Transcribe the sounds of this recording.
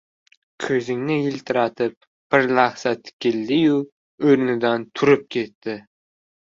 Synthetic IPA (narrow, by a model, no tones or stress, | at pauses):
kʲʰɵzɪŋnɪjɪlt̪ʰɪɾat̪ʰɪp̚ | b̥ɪɾlaχsat̪ʰɪ̥kʲɪlːɪjʊ | ɵɾnɪd̪ant̪ʰʊɾɪp̚kʲʰe̞t̪ːɪ